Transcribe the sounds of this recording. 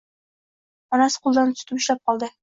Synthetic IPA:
ɒnasɪ̥qʰʊlˠd̪ant̪ʰʊ̥t̪ʰɪpɪʃlap̚qʰɒlˠd̪ɪ

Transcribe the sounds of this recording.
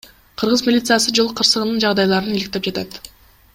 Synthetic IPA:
qʰɯɾʁɯzmʲilʲit̪sɨjasɯd͡ʒolˠqʰːɯɾsɯʁɯnɯnd͡ʒɑʁd̪ɑjlˠɑɾɯnilʲɪkt̪e̞p̚d͡ʒɑt̪ɑt̪

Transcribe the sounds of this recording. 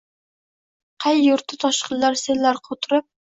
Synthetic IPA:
qʰɑjːuɾt̪ʰːɪt̪ʰɑʃqʰəlːɑɾselːæɾqʰot̪ʰʊɾɨp̚

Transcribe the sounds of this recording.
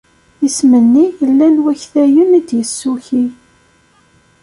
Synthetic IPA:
jəsmənːijəlːænwæçθæjəmid̪jəsːuçi

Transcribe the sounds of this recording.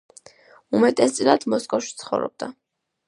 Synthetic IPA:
umɛt̪ʼɛst̪sʼilˠad̪mɔskʼɔfʃi̥t̪sʰχɔ̰vɾɔ̰b̚d̪a

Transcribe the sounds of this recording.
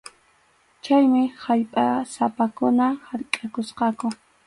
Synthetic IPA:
t͡ʃajmɪhaʎpʼasapakʊnahaɾkʼakʊsqɑkʊ

